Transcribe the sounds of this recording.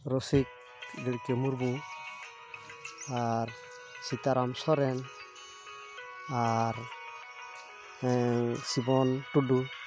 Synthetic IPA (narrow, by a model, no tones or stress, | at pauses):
ɾɔsik̚ | ɡɛɽkɛmuɾbu | aɾ | sit̪aɾamsɔɾɛn | aɾ | ɛŋsibɔnʈuɖu